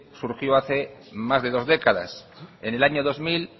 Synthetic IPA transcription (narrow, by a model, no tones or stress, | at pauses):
suɾxjoaθemazðe̞ð̞o̞zðekaða̰s | enelaɲoðo̞zmil